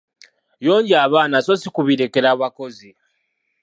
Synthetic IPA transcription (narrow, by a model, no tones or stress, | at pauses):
jo̞ːɲɟiaβaːnasosikuβiɾekeɾaβako̞zi